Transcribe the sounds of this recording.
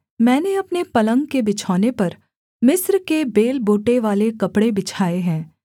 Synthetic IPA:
mɛ̃ːneɐpnepɐlə̃ŋɡkebɪt͡ʃʰaːnepɐɾ | mɪsɾkebeːlboːʈeʋaːlekɐpɽebɪt͡ʃʰaːeɦɛ̃ː

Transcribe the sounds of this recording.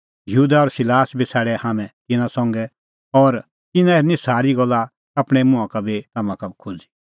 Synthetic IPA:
jɦuːd̪aɔɾsɪlaːsbisʰɛːɽɛhaːmɛ̃t̪ɪnãsɔ̃ŋɡɛ | ɔɾ | t̪ɪnãeɾnĩsaːɾiɡɔlːa | apɽ̃ɛmʊ̃ãkabit̪amãkabʱikʰod͡zi̥

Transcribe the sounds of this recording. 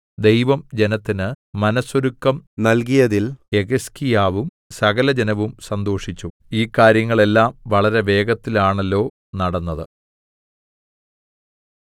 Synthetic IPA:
d̪e̞jʋɐmd͡ʑe̞nɐt̪ːinɨmɐnɐsoɾukːɐmnɐlkijɐðile̞ɣɐskijaːʋum | sɐɣɐlɐd͡ʑenɐʋumsɐnd̪o̞ːʂit͡ɕːu | iːkːaːɾjɐŋːɐɭe̞lːaːmʋɐɭɐɾe̞ʋe̞ːɡɐt̪ːilaːɳelːo̞ː | nɐɽɐnːɐðɨ

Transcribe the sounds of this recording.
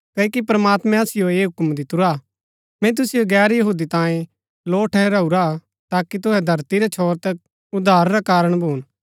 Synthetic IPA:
kɐkipɾɐmaːt̪mɛ̃ɐsɪjoeːɦʊkmd̪ɪt̪ʊɾa | mɛ̃t̪̬ʊsɪjoɡɛːɾjɐɦuːd̪it̪ãːẽ | loːʈʰɛɾɐuɾa | t̪aːkit̪ʊɦɛd̪ʱɐɾt̪iɾɛt͡ʃʰoːɾt̪ɐk̚ | ʊd̪ʱaːɾːakaːɾəɽ̃bʱoːn

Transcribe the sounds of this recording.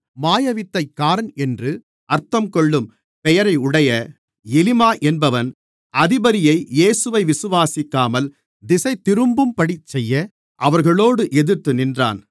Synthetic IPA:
maːjɐʋɪt̪ːɐɪkːaːɾɐnɛndrɯ | ʔɐɾt̪ːɐmkɔɭːɯm | pɛjɐɾɐɪʊɽɐjɐ | ɛlɪmaːʔɛnbɐʋɐn | ɐðɪbɐɾɪjɐɪeːsɯʋɐɪʋɪsɯʋaːsɪkːaːmɐl | d̪ɪsɐɪt̪ːɪɾɯmbɯmpɐɽɪt͡ʃːɛjːɐ | ʔɐʋɐɾɣɐɭoːɽɯʔɛðɪrt̪ːɯnɪndra̰ːn

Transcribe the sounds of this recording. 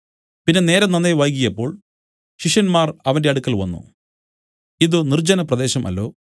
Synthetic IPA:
pinːe̞ne̞ːɾɐnɐnːeʋɐjk̬ʲːijɐpːo̞ːɭ | ɕiʂjɐnmaːrɐʋɐnde̞ɐɽukːɐlʋɐ̰nːṵ | iðɨnird͡ʑɐnɐprɐd̪e̞ːɕɐmʔɐ̰lːo̞̰ː

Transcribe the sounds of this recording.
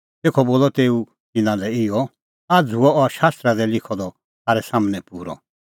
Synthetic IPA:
t̪eːkʰɔboːlɔt̪eːu | t̪ɪnãlɛɪjɔ | ad͡zʱuɔɔɾʃaːst̪ɾad̪ɛlɪkʰɔd̪ɔ | taːɾɛsaːmənɛpuːɾɔ̰

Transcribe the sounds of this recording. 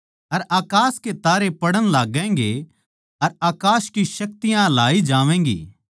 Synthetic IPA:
ɐɾaːkaːsket̪aːɾepɐɽəɽ̃laːɡɛ̃ːŋɡe | ɐɾaːkaːskiʃɐk̚t̪ɪjãlaːid͡ʒaːʋɛ̃ːŋɡḭː

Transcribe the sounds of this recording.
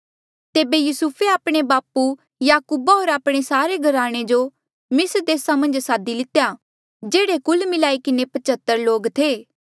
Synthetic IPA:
t̪eːbejusupʰeaːpɽ̃ebaːpu | jaːkuːbaɦoːɾaːpɽ̃esaːɾeɡʱɐɾaːɽ̃ed͡ʒo | mɪsɾd̪eːsamɐ̃nd͡ʒsaːd̪ilɪt̪eja | d͡ʒeːɽekʊlmɪlaːikɪnepɐt͡ʃət̪ːəɾloːɡt̪ʰeː

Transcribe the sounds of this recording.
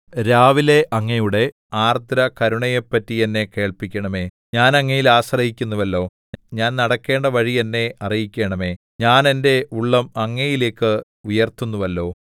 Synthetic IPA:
ɾaːʋile̞ʔɐŋːɐjuɽe̞ | aːrt̪ɾɐkɐɾuɳɐjepːɐtːienːe̞ke̞ːɭpikʲːɐɳɐme̞ː | ɲaːnɐŋːɐjilaːɕrɐhikʲːunːuʋɐlːo̞ː | ɲaːnnɐɽɐkːe̞ːɳɖɐʋɐɻienːe̞ɐrijikʲːe̞ːɳɐme̞ː | ɲaːne̞nde̞uɭːɐmɐŋːɐjile̞ːkːɨ | ujɐrt̪unːuʋɐlːo̞ː

